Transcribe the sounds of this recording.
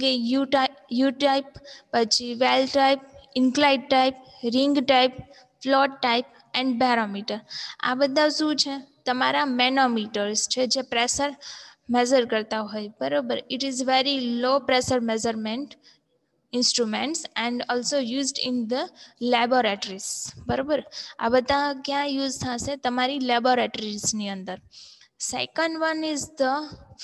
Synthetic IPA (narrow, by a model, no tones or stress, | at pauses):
ɡejuʈjuːʈaɪpːət͡ʃiʋelʈaɪp̚ɪ̃ŋklaɪɖ̚ʈaɪp̚ | ɾɪ̃ŋɡʈaɪp̚ | flɔːʈʈaɪp̚ | ɛ̃ɳɖbaːɾomiːʈəɾa̰bəd̪ːasut͡ʃʰet̪ɐmaːɾamenomiːʈəɾst͡ʃʰɛd͡ʒepɾɛsəɾmɛd͡ʒəɾkəɾt̪aɦojbəɾobəɾɪʈizʋeɾiloːpɾesəɾmɛd͡ʒəɾmẽɳʈ | ɪ̃nsʈɾumẽɳʈsɛ̃ɳɖɔːlsojuːzɖɪ̃nd̪əlɛboɾeʈəɾizbəɾobəɾa̰bəd̪ːakjãjuːzt̪ʰãsẽt̪ɐmaːɾilɛboɾeʈəɾizniə̃nd̪əɾsaɪkənʋənɪzd̪ə